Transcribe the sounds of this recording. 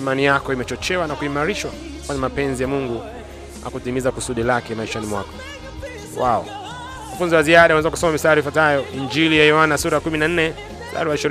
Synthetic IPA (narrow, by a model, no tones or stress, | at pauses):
imanijakɔimɛt͡ʃɔt͡ʃɛwanakuimaɾiʃwa | kwaɲɛmapɛnzijamuŋɡu | a̰kutimizakusuɗilakɛmaiʃanimwa̰kɔ̥ | waɔ̰ | wanafunziwaziaɗaunɛzaku̥sɔmamisaɾifwatajɔiɲd͡ʒilijajɔwanasuɾaakuminan̩nɛ | za̰ɾuwaʃiɾ